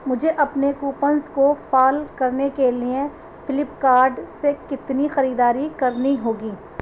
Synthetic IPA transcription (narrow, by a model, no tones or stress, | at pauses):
mʊd͡ʒʱeʔɐpnekuːpənzkofaːlkɐɾnekeliẽ | fɪlɪpkaːɾɖsekɪt̪nixɐɾiːd̪aːɾikɐɾniɦoːɡiː